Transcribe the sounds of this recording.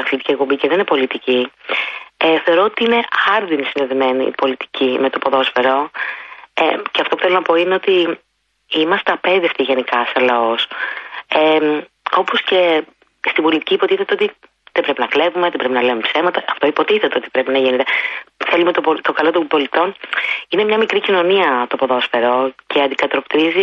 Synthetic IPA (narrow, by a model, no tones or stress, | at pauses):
ɐθlit̪i̥ciekpo̞mbiceðeninepo̞lit̪ici | eθe̞o̞ɾo̞ot̪iine̞ɐɾðinisind̪eðime̞nḭpo̞lit̪i̥cimet̪opoðo̞sfeɾo̞ | eceɐft̪o̞pu̥θe̞lonɐpo̞ineo̞t̪i | imɐst̪ɐpe̞ðiɐft̪iʝenikɐsɐlɐos | e | o̞po̞sce̞ | st̪ibo̞lit̪i̥ciːpo̞t̪iθet̪eot̪i | ðebɾe̞pinɐkle̞vume̞ðebɾe̞pinɐlevumepse̞mɐt̪ɐʔɐft̪o̞ipo̞t̪iθet̪eo̞t̪i̥pɾe̞pinɐʝinet̪eθelumet̪opot̪okɐlo̞t̪obo̞lit̪o̞nine̞mɲɐmikɾicino̞niɐt̪opo̞ðo̞sfe̞ɾo̞ce̞ɐnd̪ikɐt̪ɾokt̪ɾizi